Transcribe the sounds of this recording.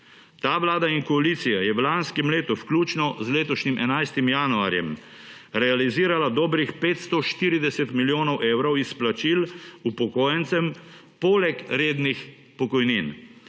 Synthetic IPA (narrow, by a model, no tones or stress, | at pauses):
t̪aːʋlaːd̪aiŋkɔaliːt̪sijajɛwlanskɛmleːt̪uwklʲuːt͡ʃnɔzleːt̪ɔʃnimʔɛnajst̪imjaːnua̰ːɾjɛm | ɾɛaliziːɾalad̪ɔːbɾixpeːt̪st̪ɔʃt̪iːɾid̪ɛsɛt̪miljoːnɔwʔeːwɾɔwisplat͡ʃilupɔkoːjɛnt̪sɛm | pɔːlɛkɾeːd̪nix | pɔkɔjnin